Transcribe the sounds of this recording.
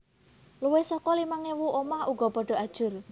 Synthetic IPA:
luwesɔkɔlimaŋewuʔomahuɡ̥ɔ̤pɔɖ̥ɔ̤ad̥ʒ̥ʊr

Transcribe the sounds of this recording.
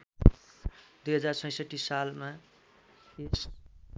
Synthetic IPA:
d̪ujɦʌd͡zart͡sʰʌ̃j̃sʌʈːisalma | s

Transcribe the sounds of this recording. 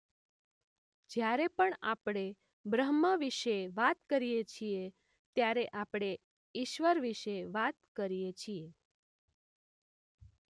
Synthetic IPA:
d͡ʒjaɾepəɳapɽ̃e | bɾəɦməʋiʃeʋat̪kəɾijet͡ʃʰie | t̪jaɾeʔapɽ̃e | iʃʋəɾʋiʃeʋat̪kəɾijet͡ʃʰije

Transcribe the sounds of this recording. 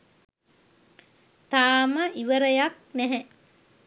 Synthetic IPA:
t̪aːməʔiʋəɾəjaknæɦɛ

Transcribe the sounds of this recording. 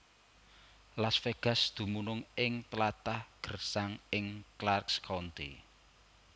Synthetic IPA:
lasfeɡ̥ä̤sd̪̥ṳmunʊŋɪŋt̪əlat̪ahɡ̥ərsaŋɪŋklarkskʰɔnt̪ḭ

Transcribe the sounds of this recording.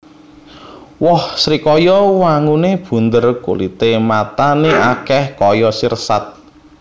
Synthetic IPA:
wɔhsɾikɔjɔwaŋuneb̥ṳnd̪ərkṵlḭt̪emat̪aneʔakɛhkɔjɔsirsat̪̚

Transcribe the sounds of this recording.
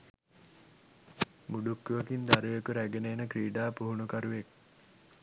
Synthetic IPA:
muɖukːuʋəkind̪aɾuʋekuɾæɡeneːnəkɾiːɖaːpuɦunukɐɾuʋek̚

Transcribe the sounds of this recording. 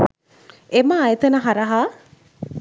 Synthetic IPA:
eməːjt̪ɐnəɦɐɾɐɦaː

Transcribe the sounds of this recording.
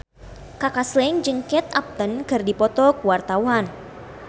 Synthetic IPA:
kakaslɛŋd͡ʒɨŋkɛt̪̚ap̚t̪ənkɨrdipɔt̪ɔkuwart̪awan

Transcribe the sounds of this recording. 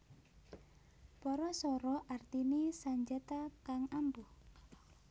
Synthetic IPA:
pɔɾɔsɔɾɔʔart̪inisaɲd͡ʒat̪akaŋambuh

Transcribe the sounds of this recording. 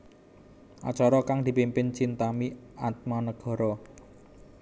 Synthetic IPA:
ʔa̰t͡ʃɔɾɔkaŋd̪̥i̤pimpɪnt͡ʃint̪amiat̪̚mɔnəɡ̥ɔ̤ɾɔ

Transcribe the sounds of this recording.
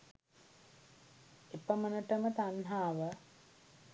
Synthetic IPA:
epəmənəʈəmət̪anɦaːʋə

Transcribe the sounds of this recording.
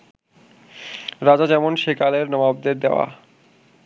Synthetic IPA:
ɾad͡ʑad͡ʑɛmonʃekaleɾnɔmab̚d̪eɾd̪eoa̰

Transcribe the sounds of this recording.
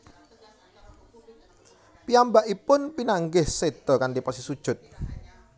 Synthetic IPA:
piambaʔipʊnpinaŋɡɪhsed̪̥ɔkanɖipɔsisud̥ʒ̥ʊt̪̚

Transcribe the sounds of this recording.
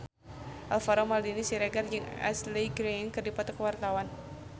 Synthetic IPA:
ʔalfaɾɔmaldinisiɾɛɡard͡ʒɨŋa̰sliɡɾenkɨrdipɔt̪ɔkəwart̪awan

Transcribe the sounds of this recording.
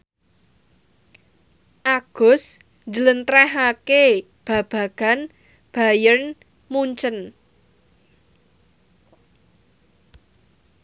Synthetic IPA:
ʔaɡ̥ʊ̤s | d͡ʒələnt̪ɾɛɦake | b̥ä̤b̥ä̤ɡ̥a̤n | b̥a̤jərn | muɲt͡ʃən

